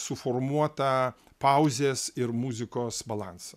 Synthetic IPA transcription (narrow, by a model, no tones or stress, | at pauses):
sʊfoːɾmuɔt̪ɐ | pɐʊzʲeːsɪɾmuzʲɪkoːsbɐlˠɑnsɐ